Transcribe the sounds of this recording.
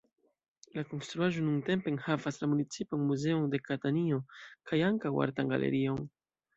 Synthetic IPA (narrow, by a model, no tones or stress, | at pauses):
lako̞nst̪ɾuaʒo̞nunt̪e̞mpenhavaslamunit͡sipanmuze̞ond̪e̞kat̪aniokʰajaŋkawa̰ɾt̪aŋɡa̰lʔḛɾion